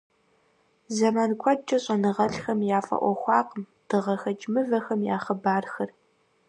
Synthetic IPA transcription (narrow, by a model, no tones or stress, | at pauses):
zɐmaːnkʷʰɔt͡ʃʼɐɕʼɐnɨʁɐɬxɐmjaːfɐ̰ʔʷɔ̰xʷɑːqəm | d̥ɨʁɐxɐt͡ʃʼmɨvɐxɐmja̰ːχɐbaːrxɐr